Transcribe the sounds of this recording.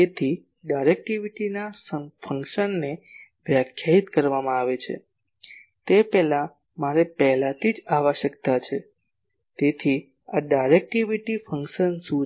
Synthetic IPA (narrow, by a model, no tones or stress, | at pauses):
et̪ʰi | ɖajɾek̚ʈiʋiʈinasəfʰəŋkʃənːeʋjakʰjait̪kəɾʋamãaʋet͡ʃʰḛ | t̪epɛɦlã | maɾepɛɦlãt̪ʰid͡ʒaʋaʃəkt̪at͡ʃʰḛ | t̪et̪ʰi | aɖajɾek̚ʈiʋiʈifʰəŋkʃənsu